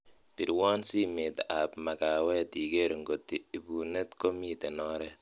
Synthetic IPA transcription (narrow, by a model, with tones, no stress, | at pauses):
pi˨ɾwɔ˦nsi˦me˨t̪a˨pma˨ka˨wɛ˦ti˨ɡe˦ɾŋɡo˨tːiː˨bu˨ne˦t̪ko˦mi˦te˨nɔ˦ɾɛ